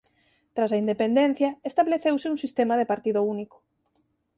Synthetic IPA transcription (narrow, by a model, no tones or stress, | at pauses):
t̪ɾasɐind̪epend̪ẽn̟θjɐest̪aβleθewsɪuŋsist̪emaðepaɾt̪iðʊunikʊ̥